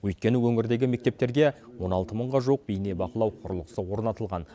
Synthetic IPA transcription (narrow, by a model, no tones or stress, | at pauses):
wɵjt̪̚kʲe̞nɪwɵŋɪɾd̪e̞ɡʲɪme̞k̚t̪e̞p̚t̪e̞ɾɡʲe̞wo̞nɑlˠt̪əməɴʁɑʒuq̚bijne̞bɑqəlˠɑwqʰʊɾəlˠəqəsəwo̞ɾnɑt̪əlˠʁɑn